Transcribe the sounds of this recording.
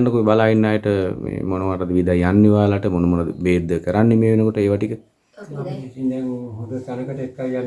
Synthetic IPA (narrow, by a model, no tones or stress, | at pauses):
nɖəkuebalaːinːaːjəʈəmḛːmonomaʈad̪əʋid̪ajanːiʋaːlaʈəmonəmonad̪ə̰beːd̪ːəkəɾanːemeːʋenəkoʈəeːʋaʈikə | iineɦod̪ət̪anəkəʈəekːajan